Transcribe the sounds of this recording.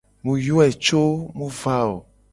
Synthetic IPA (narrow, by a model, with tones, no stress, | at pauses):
mũ˨jo˦ɛ˨t͡ʃo˦mũ˦va˦o̰˨